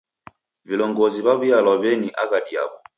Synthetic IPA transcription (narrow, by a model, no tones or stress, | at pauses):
vilɔŋɡɔziβaβialɔβɛniʔaɣadia̰βɔ